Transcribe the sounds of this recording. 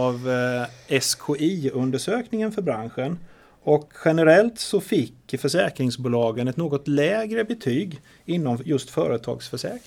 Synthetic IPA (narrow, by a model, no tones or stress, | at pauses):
ɑv | ɛskʰoʔiːɵnd̪əʂøːknɪŋənfœɾbɾanɧən | ɔkɧɛnəɾɛlt̪sɔfɪkːfœʂɛːkɾɪŋsbuːlɑːɡənɛt̪noːɡɔt̪lɛːɡɾəbɛt̪ʰyːɡ | ɪnːɔmjɵst̪fœ̰ːɾət̪ʰɑ̰ːɡsfœʂɛːk